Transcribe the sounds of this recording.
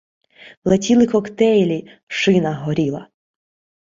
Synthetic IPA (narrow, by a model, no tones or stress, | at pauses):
lˠetʲilˠɪkɔkt̪ɛjlʲi | ʃɪnɐɦɔɾʲilˠɐ̰